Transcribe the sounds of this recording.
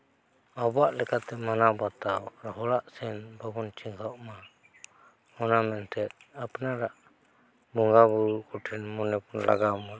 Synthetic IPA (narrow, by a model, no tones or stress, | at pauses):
abaʔlɛkat̪ɛmanabat̪awɾɔɦɔlaʔsɛnbɔbɔnt͡ʃiŋɡʰawʔma | ɔnamɛnt̪ʰɛt̪̚ | apnaɾaʔ | bɔŋɡabuɾuʔkɔʈʰɛnmɔnɛpɔnla̰ɡamɔn